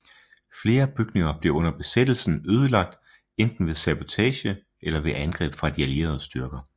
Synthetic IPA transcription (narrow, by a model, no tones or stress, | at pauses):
fle̝ːɐb̥yɡ̥ne̝ŋɐb̥le̝ɔ̽nɐb̥e̝sed̥l̩sn̩øːð̞ˠəlɑ̈ɡ̥̚d̥ | end̥n̩ʋe̝sæb̥o̝t͡sʰɛːɕə | ʔelɐʋe̝ʔænɡ̥ʁɛ̰ːb̥fʁɑ̈d̥iæle̝̰ːɐð̞̩ˠəsd̥yɐɡ̥ɐ